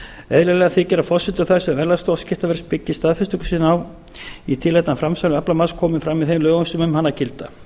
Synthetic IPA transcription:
ɛðlɛlɛɣaθicɛːɾafɔsːɪnt̪ʏɾθaɾ̥sɛmvɛɾlast̪owscɪht̪avɛɾspɪcːɪst̪aːðfɛst̪ʏkʏ̥sinaw | it̪ʰɪlɛjt̪nafɾamsanʏɛplamaskʰɔːmɪnfɾamːɪðθejmlœːɣʏnsʏmʏmhanːacɪlt̪a̰

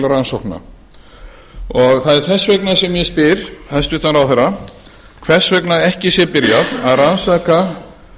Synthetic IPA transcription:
laɾansɔhkna̰ | ɔɣθaðɛɾ̥θɛsːveknasɛmjɛspɪɾθaðɛsp̪ɪht̪anɾawθɛɾa | kʰvɛr̥svœknaɛhcɪsjɛpɪɾjaðaðransaːka

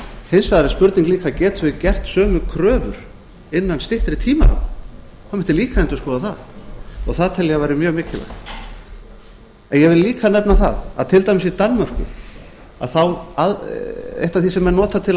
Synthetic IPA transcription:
hejnsvajðaɾɪspʏɾt̪niŋkliːkacɛːt̪ɪcɛr̥t̪sœːmʏkʰɾœːvʏ̰ɾ | ɪnːanst̪ɪht̪ɾɪt̪ʰiːma̰ɾa̰wn | hawmɛn̥t̪ɪliːkaɛnt̪ʏskɔːðaθaðɔ̰ɣθaðt̪ʰɛljavajɾɪmjœːɣmɪːcɪla̰xt̪ | ɛnjɛvɪlliːkanɛpnaθa̰ða̰ðt̪ʰɪlt̪ajmɪsit̪anːmœr̥kʏ̰ | a̰ðθawaðɛ̰ht̪aθisɛmɛnɔːt̪at̪ʰɪl

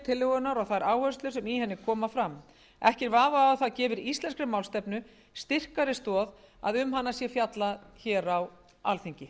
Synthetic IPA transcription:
t̪ʰɪlːɛɣʏnaɾawθaðɪɾaːwhœst̪lʏ̥sɛmihɛnːɪkʰɔːmafɾam | ɛhcɛɾvaːvaawθaðcɛːvʏɾist̪ɛnskɾɪmawlst̪ɛpnʏ | st̪ɪr̥kaɾɪst̪ɔːða̰ðʏmɦanːasjɛfjat̪laçɛːɾaw | a̰lθiɲcɪ

